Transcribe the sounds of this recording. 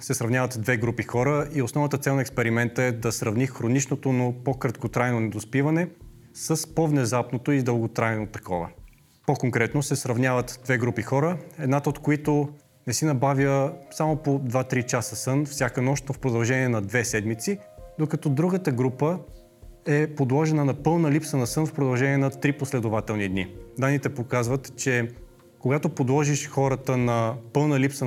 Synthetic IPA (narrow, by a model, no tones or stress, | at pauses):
sɛsɾɐvnʲavət̪d̪vɛɡɾupixɔɾəiosnɔvnət̪ət̪sɛlˠnɐɛkspɛɾimɛnt̪əɛd̪ɐsɾɐvnixɾonit͡ʃnot̪onopokɾɐt̪kot̪ɾajnonɛd̪ospivɐnɛ | səspovnɛzapnot̪oid̪əlˠɡot̪ɾajnot̪ɐ̥kʰɔvə̰ | pokoŋkɾɛt̪nosɛsɾɐvnʲjavət̪d̪vɛɡɾupixɔɾəɛd̪nat̪əot̪koit̪o | nɛsinɐbavʲjəsamopod̪vat̪ɾit͡ʃasəsɤnfsʲjakənɔʃt̪nofpɾod̪ɐlˠʒɛniɛnɐd̪vɛsɛd̪mit̪sid̪okɐt̪ɔd̪ɾuɡət̪əɡɾupə | ɛpod̪lˠɔʒɛnənɐpɤlˠnəlipsənɐsɤnfpɾod̪ɐlˠʒɛnʲiɛnɐt̪ɾiposlɛd̪ʊvat̪ɛlˠnid̪nḭd̪anːit̪ɛpokazvət̪t͡ʃɛ | koɡat̪opod̪lˠɔʒiʃxɔɾət̪ənɐpɤlˠnəlipsə